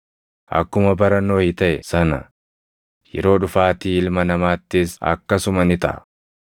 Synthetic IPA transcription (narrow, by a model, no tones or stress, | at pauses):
ʔɐ̰kːʊmɐbɐɾɐnːo̞ːhɪt̪ɐʔɛsɐnɐ̰ | jɛ̰ɾo̞ːᶑʊfaːt̪iːɪlmɐnɐmaːt̪ːɪsɐ̰kːɐsʊmɐnɪt̪ɐ̰ʔɐ̰